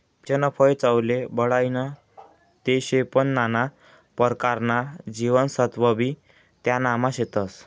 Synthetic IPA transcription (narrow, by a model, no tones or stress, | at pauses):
t͡ɕənəpʰəjt͡sawlebəɽajnə | t̪eɕepənːana | pəɾkaɾnad͡ʑiʋənsət̪bəbi | t̪janamaɕet̪əs